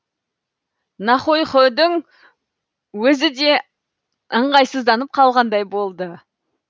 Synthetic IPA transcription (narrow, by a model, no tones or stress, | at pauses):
nɑχojχod̪ɪŋ | wɵzɪd̪e̞ | əɴʁɑjsəzd̪ɑnəp̚qʰɑlˠʁɑnd̪ɑjbo̞lˠd̪ə